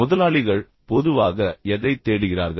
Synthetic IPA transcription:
ʊðɐlaːɭɪɣɐɭ | pɔðɯʋaːɣɐɛðɐɪt̪ːeːɽɯɣɪra̰ːɾɣɐ

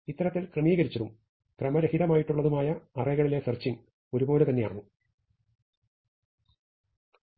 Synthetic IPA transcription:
it̪ːɐɾɐt̪ːilkrɐmiːɣɐɾit͡ɕːɐðum | krɐmɐɾehiðɐmaːjiʈːuɭːɐðumaːjɐɐrɐjɣɐɭile̞sɐrt͡ɕːiŋ | o̞ɾubo̞ːlet̪ɐnːe̞ja̰ːɳu

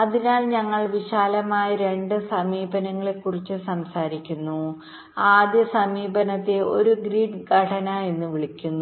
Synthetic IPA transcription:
ɐðinaːlɲɐŋːɐɭʋiɕaːlɐmaːjɐɾe̞ɳɖɨsɐmiːbɐnɐŋːɐɭekːurit͡ɕːɨsɐmsaːɾikʲːunːu | aːd̪jɐsɐmiːbɐnɐt̪ːeo̞ɾuɡɾiːɖɡʱɐʈʰɐnae̞nːɨʋiɭikʲːunːu

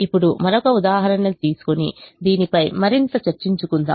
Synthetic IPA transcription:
ipːuɽumɐɾokɐud̪aːɦɐɾɐnːɐt̪iːsu̥konḭd̪iːnipɐjmɐɾint̪ɐt͡ʃɐɾt͡ʃiɲt͡ʃukund̪a̰ː

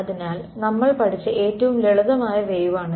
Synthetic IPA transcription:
ɐðinaːl | nɐmːɐɭpɐʈʰit͡ɕːɨʔeːtːɐʋumleɭuðɐmaːjɐʋejuʋaːɳɨ

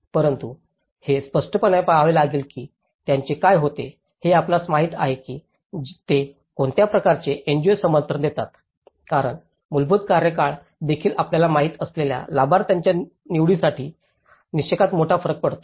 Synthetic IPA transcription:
pəɾənt̪u | hespəʂʈʰəpənajpaɦʋelaɡiːlkiː | t̪jaɲt͡ɕekajɦot̪e | heaplat͡smaɦit̪a̰ɦekiː | t̪e | koɳt̪japɾəkaɾt͡ɕeʔend͡ʑosəmənt̪ɾəd̪et̪at̪ | kaɾəɳ | mulbud̪kaɾjəkaɭ | d̪ekʰiːlapljalamaɦiːt̪əslelja̰labaɾt̪jaɲt͡ɕja | niʋɽiːsaʈʰiː | nist͡ɕekat̪moʈʰafəɾək̚pəɽt̪o

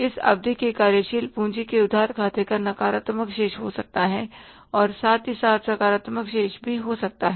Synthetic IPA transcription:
ɪsɐ̰b̚d̪ʱikekaːɾjəʃiːlpũːt͡ʃikeʊd̪ʱːaːɾkʰaːt̪ekaɾnɐkaːɾət̪məkʃeːʃɦosɐk̚t̪aɦɛ̃ | ɔːɾsaːt̪ɦisaːt̪ʰsɐkaːɾət̪məkʃeːʃbʱiɦosɐk̚t̪aɦɛː

